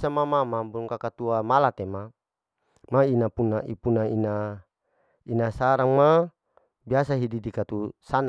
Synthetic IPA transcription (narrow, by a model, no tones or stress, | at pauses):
samamamabuuŋkakat̪uamalat̪ema | mainapunaʔipunaina | inasaɾaŋma | biasaɦididikat̪usana